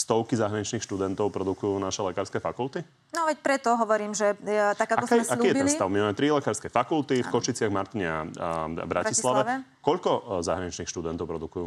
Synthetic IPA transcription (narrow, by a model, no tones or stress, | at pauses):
st̪ɔʊkizaɦɾaɲit͡ʃniːxʃt̪ud̪ɛnt̪ɔʊpɾɔd̪ukujuːnaʃɛlɛkaːɾskɛfakulˠt̪i | nɔʋɛc̚pɾɛt̪ɔɦɔʋɔɾiːmʒɛt̪akakakɔkːalijɛiɛlisaʊmiɛmɛt̪ɾilɛkaːɾskɛfakulˠt̪ifkɔʃit͡sɪaɣmaɾt̪iɲɛabɾʔa̰islaʋɛ | kɔʎkɔza̰ɦɾaɲit͡ʃniːxʃt̪ud̪ɛnt̪ɔʊpɾɔd̪ukujuː